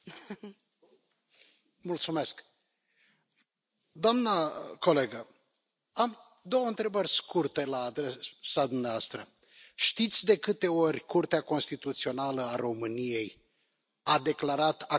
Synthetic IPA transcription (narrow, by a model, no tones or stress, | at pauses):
mult̪sume̞sk | d̪oamnəko̞le̞ɡə | am | d̪o̞wəɨnt̪ɾe̞bərʲskurt̪e̞laːd̪ɾesad̪umneaast̪ɾə | ʃt̪it̪sʲd̪e̞kɨt̪e̞o̞rʲkurt̪eako̞nst̪it̪ut̪sio̞naləaɾo̞mɨnije̞j | ad̪e̞klaɾat̪a